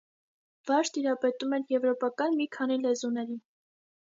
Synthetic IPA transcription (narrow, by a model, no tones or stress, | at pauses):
vɑʃt̪iɾɑpɛt̪umɛɾjɛvɾɔpɑkɑnmikʰɑnilɛzunɛɾi